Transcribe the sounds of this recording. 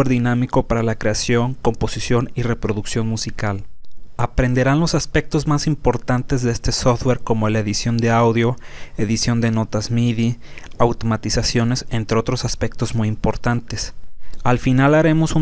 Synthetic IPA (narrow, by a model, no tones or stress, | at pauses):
eɾðinamiko̞paɾalakɾe̞asjo̞ŋko̞mpo̞sisjo̞nire̞pɾo̞ðuksjo̞nmusikalapɾe̞nd̪e̞ɾanlo̞saspe̞k̚t̪o̞zmasimpo̞ɾt̪ant̪e̞zðee̞st̪e̞sofd̪we̞ɾko̞moelaeðisjo̞nd̪e̞awðjo̞e̞ðisjo̞nd̪e̞no̞t̪azmiði | awt̪o̞mat̪isasjo̞ne̞se̞nt̪ɾeo̞t̪ɾo̞saspe̞kt̪o̞zmujimpo̞ɾt̪ant̪e̞salfinalaɾe̞mo̞su